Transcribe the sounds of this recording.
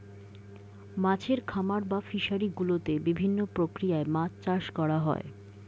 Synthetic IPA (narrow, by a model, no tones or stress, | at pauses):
mat͡ɕʰeɾkʰamaɾbafiʃaɾiɡulot̪ebibʱinːopɾokɾijaemat͡ɕt͡ɕaʃkɔɽaɦɔ̰e